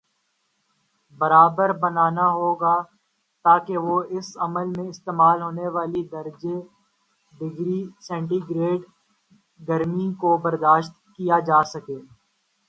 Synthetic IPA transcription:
bɐɾaːbəɾbənaːnaɦoːɡaː | t̪aːkeʋoːɪsɐməlmẽɪst̪eːmaːlɦoːneʋaːlid̪əɾd͡ʒe | ɖɪɡɾisɛ̃ːɳʈiɡɾeːɖ | ɡəɾmikobɐɾd̪aːʃt̪kijad͡ʒaːsɐkeː

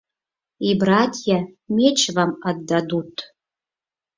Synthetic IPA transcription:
ibɾɑt̪ʲjamʲet͡ɕβɑmɑd̪ːɑd̪ut̪

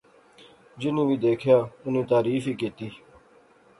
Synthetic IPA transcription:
d͡ʒɪnĩːʋiːd̪eːkʰjaːʊnĩːt̪aːɾiːfiːkiːt̪iː

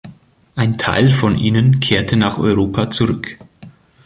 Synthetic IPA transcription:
ʔaɪntʰa̰ɪlfɔnʔiːnənkʰeːɐtʰənaːχʔɔ̰ʏʁoːpʰat͡suʁʏk

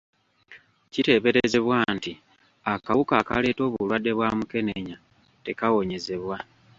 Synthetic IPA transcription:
cite̞ːβe̞ɾeze̞βwaːnti | akawukaːka̰le̞ːto̞ːβulwadːe̞βwaːmuke̞neɲa | te̞kawo̞ɲe̞ze̞βwa

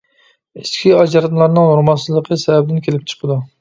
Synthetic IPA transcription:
iskʲʰiɑd͡ʒɑɾɑt̪lˠɑɾnɨŋnuɾmɑsɨzlˠəqʰəsɛvɛbɪd̪ɪnkʲelɪp̚ʲt͡ʃʰə̥qʰəd̪u

